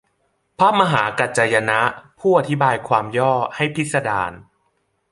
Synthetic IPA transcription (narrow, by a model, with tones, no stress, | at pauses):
pʰa˦˥˩p̚ma˧ɦaː˩˦ka˧˩t͡ɕa˧ja˧na˦˥ʔpʰuː˥˩ʔa˧t̪ʰi˦˥baː˧jkʰwaː˧mjɔː˥˩ha˥˩jpʰi˦˥t̪̚sa˧da̰ː˧n